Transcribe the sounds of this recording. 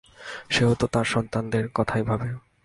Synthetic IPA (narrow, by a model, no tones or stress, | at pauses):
ʃeɦot̪ot̪aɾʃɔnt̪and̪eɾkɔt̪ʰajbʱabe